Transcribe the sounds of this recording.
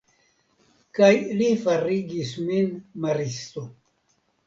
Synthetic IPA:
kajlifaɾiɡisminmaɾist̪o

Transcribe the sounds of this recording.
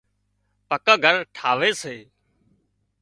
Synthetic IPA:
pəkəːɡʱəɾʈʰaːʋeːseː

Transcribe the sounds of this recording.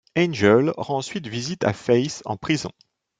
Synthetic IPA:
ɛ̃nʒəlʁɑ̃sɥit̪vizit̪a̰fɛjsɑ̰̃pχizɔ̰̃

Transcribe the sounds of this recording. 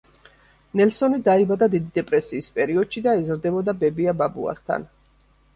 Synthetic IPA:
nɛlsɔnid̪aibad̪ad̪id̪id̪ɛpʼɾɛsiːspʼɛɾiɔd̪̥ʃid̪aɛzɾd̪ɛbɔd̪abɛbiababṵa̰st̪ʰa̰n

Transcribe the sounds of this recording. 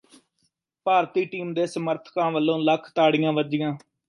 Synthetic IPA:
paːɾt̪iːʈiːmd̪eːsəməɾt̪ʰkãːʋəlːõːləkʰt̪aːɽɪjãːʋəd͡ʒɪjãː

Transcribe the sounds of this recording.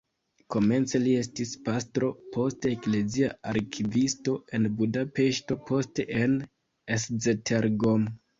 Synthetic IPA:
ko̞me̞nt͡se̞lie̞stispastɾo̞po̞steːkle̞ziaaɾkʰivisto̞e̞nbudape̞ʃto̞po̞ste̞ʔen | eszetʰeɾɡom

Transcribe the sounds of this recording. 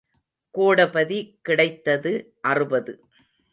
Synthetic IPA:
koːɽɐpɐðikːɪɽɐɪt̪ːɐðɯ | ʔɐrɯbɐðɯ

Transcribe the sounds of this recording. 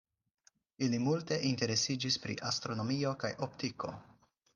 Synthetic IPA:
ilimulte̞ʔinte̞ɾe̞sid͡ʒispɾḭʔastɾo̞no̞mio̞kajʔo̞ptiko̞̰

